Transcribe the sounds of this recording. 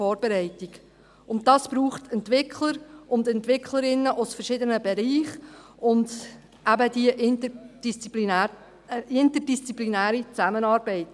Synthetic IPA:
ɔːɾbɛɾɛɪtiɡ | ʊntdɑːsb̥ɾuːχtɛntʋɪkʰləɾʔʊndɛntʋɪkʰləɾɪnːəʔʊsfərʃɪdənəbɛɾiːχ | ʊnd | ʔæbədiəʔnd̥ist͡sipi | ɪntərdist͡siplinæːɾit͡sæmənɑːɾbɛɪt

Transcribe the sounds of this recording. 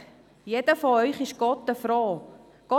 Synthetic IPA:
jedəfɔœʏχɪʃɡ̥ɔtəfroː | ɡ̥ɔ

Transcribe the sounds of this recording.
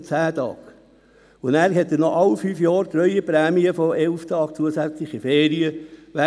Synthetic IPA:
t͡sæːt̪ɑ̰ːk | ʊnæːɾhɛt̪ːənɔʔɑwfyːfjɑːɾt̪ɾœʏəpɾæːmiəfɔʔɛlft̪ɑːk̚t͡suəsæt͡slɪχifeːɾiəʋæ

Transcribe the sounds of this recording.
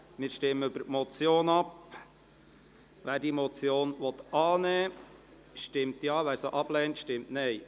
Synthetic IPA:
mɪːɾʃtɪmːəøbəɾtmɔt͡sjoːnɑp | ʋæːɾdiːmɔt͡sjoːnʋɔt̪ɑːnɛː | ʃtɪmtjɑːʋæːɾsoʔɑb̥lɛntʃtɪmtnɛɪ

